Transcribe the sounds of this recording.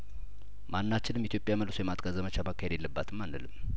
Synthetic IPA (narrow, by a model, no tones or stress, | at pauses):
manːat͡ʃːɪnɨmːit̪ʰjo̞pʼjaməlsojɛmat̪ʼɡʼazəmət͡ʃamakʰːahed̪jelːəbːat̪ʰɨmːanːəlɨm